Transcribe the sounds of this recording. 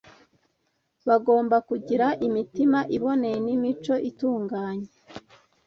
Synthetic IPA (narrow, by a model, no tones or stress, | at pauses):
βaɡo̞ːmbakuɟiɾaʔimitimaʔiβo̞ne̞jenimit͡ʃo̞ʔituːŋɡaːɲe̥